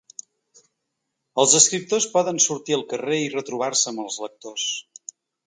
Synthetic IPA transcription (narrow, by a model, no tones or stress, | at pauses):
əlˠzəskɾip̚t̪ospɔðənsuɾt̪iəlˠkəreirət̪ɾuβ̞arsəːməlˠzlək̚t̪os